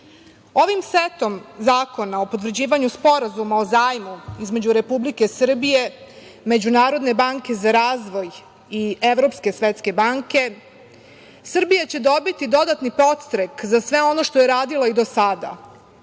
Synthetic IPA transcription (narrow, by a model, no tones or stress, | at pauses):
o̞ʋimset̪o̞mzaːko̞nao̞po̞t̪̬ʋr̩d͡ʑiːʋaɲuspo̞ɾazumao̞zaːjmuizme̞d͡ʑuɾe̞publike̞sr̩bije̞ | me̞d͡ʑunaːɾo̞d̪ne̞baŋke̞zaɾaːzʋo̞j | ie̞ʋɾo̞pske̞sʋet̪ske̞baŋke̞ | sr̩bijat͡ɕe̞d̪o̞bit̪id̪o̞d̪at̪nipɾo̞t̪st̪ɾekzasʋe̞o̞no̞ʃt̪o̞jeɾaːd̪ilˠaid̪o̞sad̪a̰